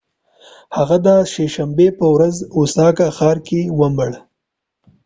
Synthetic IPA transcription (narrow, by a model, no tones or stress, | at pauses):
haɣad̪aʃeʃambepəwɾazʊsɑːkaxɑːɾkewəməɽ